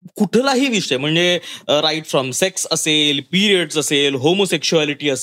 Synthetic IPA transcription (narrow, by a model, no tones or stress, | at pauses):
kuʈʰlaɦiːʋiʂem̤əɳd͡zeɾaiʈfɾɔmseksəselpiɾiəɖsəselɦomosekɕualiʈiːəs